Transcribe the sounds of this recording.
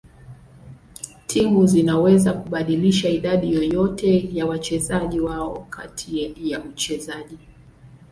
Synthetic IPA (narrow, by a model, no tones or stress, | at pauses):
tʰiŋɡuzinawɛzakuɓaɗiliʃaiɗaɗijɔjɔtɛjawat͡ʃɛzaʄiwaɔkʰa̰tʰijaut͡ʃɛzaʄi